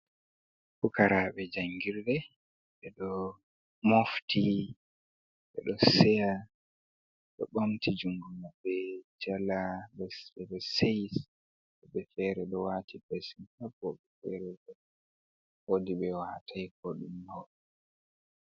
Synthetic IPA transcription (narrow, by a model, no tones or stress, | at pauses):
fukaɾaɓɛd͡ʒaŋɡiɾɗɛ | ɓɛɗɔ | mofti | ɓɛ̰ɗɔsɛja | ɗɔ̰ɓamtid͡ʒuŋɡumabɛd͡ʒalaɗɔɛɗɔsejs | ɛɓɛfɛːɾɛɗɔwaːtʰipesinkabɔɓɛfɛ̰ɾɛɗɛ | odiɓɛwatʰajkɔɗumɡɔ